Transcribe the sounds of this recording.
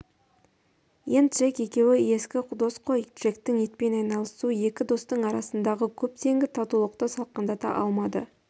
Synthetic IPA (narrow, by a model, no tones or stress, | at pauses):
jent̪ʒeke̞kʲe̞wɪe̞skʲɪd̪o̞sqʰo̞jt̪ʒe̞kt̪ɪŋe̞t̪̚pe̞nɑjnɑlˠəsuje̞kʲɪd̪o̞st̪əɴɑɾɑsənd̪ɑʁəkʲʰɵp̚t̪ʰe̞ŋɡʲɪt̪ʰɑt̪ulˠəqt̪əsɑlˠqənd̪ɑt̪ɑ̰ʔɑ̰lˠmɑd̪ə̰